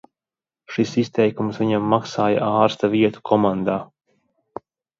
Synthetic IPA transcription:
ʃisist̪ɛjkumsviɲamːaksaːja̰aːɾst̪aviɛt̪u̥kʰɔmand̪aː

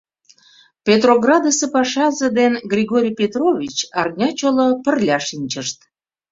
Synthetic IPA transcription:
pʲet̪roɣrɑd̪əsepɑʃɑzə̆d̪enɡrʲiɣoɾʲijpʲet̪rovʲit͡ɕɑrnʲɑt͡ɕolopə̆rlʲɑʃinʲt͡ɕəʃt̪

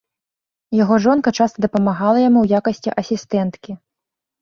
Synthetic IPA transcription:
jaɣɔʐɔnkɐt͡ʂast̪ɐd̪ɐpɐmaɣalˠɐjamuwjakɐsʲt͡sʲiʔɐsʲist̪ɛnt̪kʲi

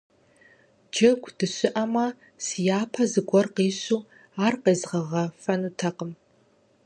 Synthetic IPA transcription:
d͡ʒɐɡʷd̥ɨɕɪʔɐmɐ | sijaːpʰɐzɨɡʷɔrqiːɕuː | aːrqeːzʁɐʁɐfɐnutʰɐqəm

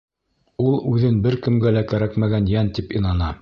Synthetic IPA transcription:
ulˠʉðɘnbɘɾkɘ̆mɡælækæɾækmæɡænjænt̪ipinɑnɑ

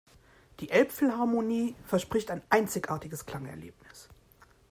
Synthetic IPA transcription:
d̥iːʔɛlpfɪlhaɐmoniːfɛɐʃpʁ̥ɪçtaɪnʔaɪnt͡sɪçʔaɐtɪɡəskl̥aŋɛɐlḛːpnɪs

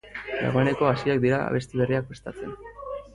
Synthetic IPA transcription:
d̪a̰ɣ̞o̞e̞ne̞ko̞asiakd̪iɾaa̰βe̞st̪iβe̞riak̚pest̪at͡se̞̰n

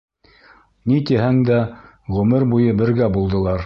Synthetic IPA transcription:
nit̪iɦæŋd̪æ | ʁɵmɘɾbujɤbɘ̆ɾɡæbulˠd̪ɤ̆lˠɑɾ

